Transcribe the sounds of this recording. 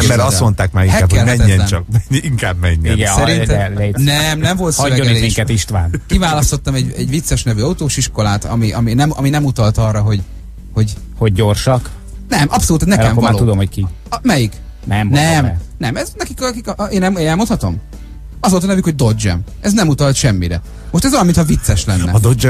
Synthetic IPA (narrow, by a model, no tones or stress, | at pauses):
ɛɾɒst̪mo̞nt̪aːkmaihɛɛkːɛlmɛɛɲɛnɛt͡ʃɒk̚mɛɲiŋkaːbmɛɲːɛɡɛsɛɾɾint̪ɛlenɛmnɛɱvo̞lt̪sɒlɛːoɡ̪ileiŋkɛt̪iʃt̪ʋaːnkivaːlɒst̪o̞t̪ːɒmɛɟɛ̰ɟvit̪sːɛʃnɛvyːɒut̪oːʃiʃko̞laːt̪ɒ̰miʔɒminɛmɒ̰minɛmut̪ɒlt̪ɒrːɒɦo̞ɟ | ho̞ɟ | ho̞ɟ̚ːo̞rʃɒk | nɛmʔɒpsoluːt̪ɛnɛkɛmːovaːlt̪ud̪omhocki | mɛjik | nɛmnɛmnɛmɛznɛkikkikeːnɛeɛlmonhɒt̪o̞m | ɒzolt̪ɒnɛvykhoɟ̚d̪o̞d͡ʒɛ̰m | ɛznɛmut̪ɒlt̪ʃɛmːiɾɛ̰ | mo̞ʃt̪ɛzɒlɒmint̪hɒvit̪sːɛʃlɛnːɛ̰ɒd̪od͡ʒɛ